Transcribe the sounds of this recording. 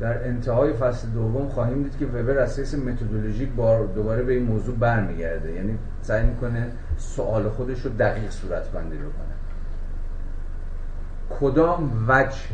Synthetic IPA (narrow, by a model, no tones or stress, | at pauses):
d̪̥æɾʔent̪ʰehɒːjefæsled̪ovːomχɒːɦiːmd̪iːd̪cʰʲe̞vebeɾæshesemet̪ʰod̪oloʒiːcbɒːd̪obɒːɾebe̞iːnmoːzuːbæɾmiːɟæɾd̪ejæːniː | sæjmiːkʰo̞ne | soʔɒːlexod̪e̞ʃɾod̪æɣiːɣsuːɾæt̪ʰbænd̪iːbokʰo̰ne | kʰod̪ɒːmvæd͡ʒ